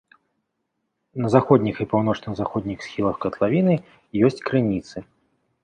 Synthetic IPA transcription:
nɐzaxɔd̪ʲnʲixipawnɔt͡ʂnɨɣzaxɔd̪ʲnʲixsxʲilˠɐxkɐt̪lˠavʲinɨ | jɔsʲt͡sʲkɾɨnʲit̪sɨ

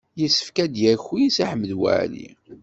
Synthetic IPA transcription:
jəsə̥fkæd̪jæçujisæħəmːəd̪wæ̰ʕlḭ

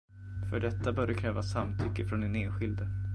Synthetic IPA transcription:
fœɖɛt̪ːabœːɖəkʰɾɛːvasamt̪ʰʏkːəfɾɔnɛneːnɧɪld̪ə

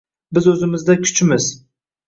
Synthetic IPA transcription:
bɪzɵzɪmɪzd̪akʲʰʊ̥t͡ʃʰmɪz

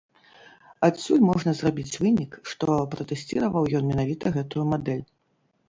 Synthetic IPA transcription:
at̪sʲulʲmɔʐnɐzrabʲit͡sʲvɨnʲikʂt̪ɔpɾɐt̪ɛsʲt͡sʲiɾɐvɐwjɔnmʲɛnavʲit̪ɐɣɛt̪ujumad̪ɛlʲ

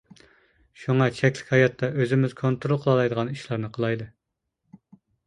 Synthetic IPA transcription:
ʃuŋɑt͡ʃʰɛkʲlɪ̥kʲhɑjɑt̪ʰːɑʔøzɪmɪz̥kʰont̪ɾolˠqʰəlˠɑlˠɑjd̪əʁɑniʃlˠɑɾnɨqʰəlˠɑjd̪ɨ

